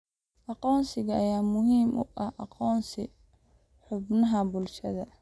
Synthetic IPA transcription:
ʔɑqɔːnsɪɣɐːjaːmʊɦiːmʔʊʔɐʔɑqɔːnsɪ | ħʊbnɐɦɐbʊlʃɐðɐ

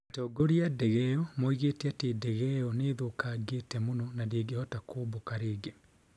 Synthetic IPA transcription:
atɔɡoɾiadɛɣɛɔmoiɣeteatedɛɣɛɔneðokaɡetɛmonɔnadeeɡehɔtakʰoːbokaɾeɡe

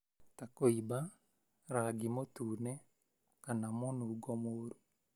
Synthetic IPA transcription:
takoiba | ɾaɡimotuːnɛ | kanamɔnuːɡɔmoːɾo

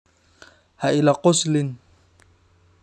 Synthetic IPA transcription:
haʔɪlaqʊslɪn

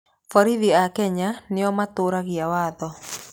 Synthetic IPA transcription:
fɔɾiðiakɛɲanɪɔmatoɾaɣiawaːðɔ

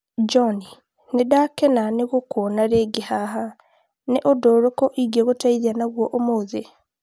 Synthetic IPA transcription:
d͡ʒoni | nedakenaneɣokonaɾeɡehaɦa | neʔodoːɾokoʔiɡieɣotaiðanaɣwoʔomoːze

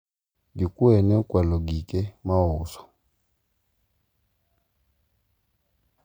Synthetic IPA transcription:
dikuɛnɛkwalɔɡikɛmaʊsɔ̥

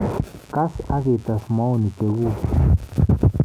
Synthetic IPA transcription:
kasaɣet̪asmawnik̪eɣu

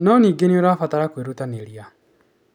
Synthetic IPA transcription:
nɔniːɡeneoɾafataɾakweɾutaneɾia

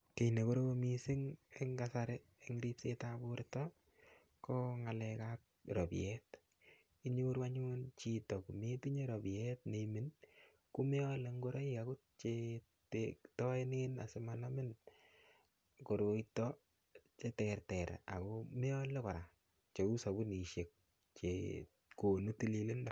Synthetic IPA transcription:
kenekoɾomisɪŋeŋɡasaɾeː | ŋɾipsetabuɾtɔ | kɔŋalɛkak̚ɾɔpḭɛt | iɲoɾwaɲunt͡ʃitɔkumetiɲeɾobiɛtnemɪn | kumeɔleŋɡoɾɔikakut̚t͡ʃe | tetɔenina̰sɪmanamɪn | koɾoitɔ | t͡ʃetɛrtɛɾ̰a̰komɛɔlekɔɾa | t͡ʃeusabuniʃek̚ | t͡ʃe | konutililɪnda

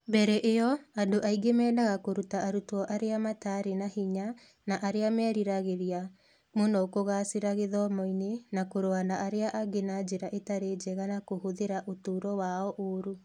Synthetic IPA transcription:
mbɛɾɛʔejɔandoʔaiɡemɛːdaɣakoɾutaʔaɾutwɔʔaɾeamataɾenahiɲa | naʔaɾeamɛːɾiɾaɣeɾia | monɔkoɣaseɾaɣeðɔmɔinenakoɾoanaʔaɾeaʔaɡenad͡ʒeɾaʔetaɾeːd͡ʒɛɣanakohoðeɾaʔotuːɾɔwaɔʔoɾu

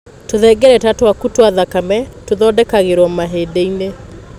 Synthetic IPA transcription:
toðɛɡɛɾɛtatwakutwaðakamɛtoðɔdɛkaɣeɾwɔmaɦedeine

